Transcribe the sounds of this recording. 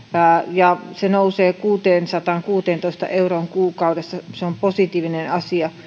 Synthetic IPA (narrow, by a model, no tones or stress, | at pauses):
jɑsenouseːkuːt̪eːnsɑt̪ɑŋkuːt̪eːnt̪oist̪ɑ̰ʔeuroːŋkuːkɑudesːɑseomposit̪iːʋinenɑsiɑ